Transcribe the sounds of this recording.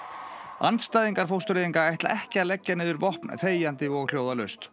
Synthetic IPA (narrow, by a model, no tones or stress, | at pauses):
a̰nt̪st̪aːjðiŋkaɾ̥fowst̪ʏɾeðiŋkaɛht̪la̰ʔɛhcɪalɛcːanɪːðʏɾvɔhpnθeːjant̪ɪɔɣl̥joːwðalœst̪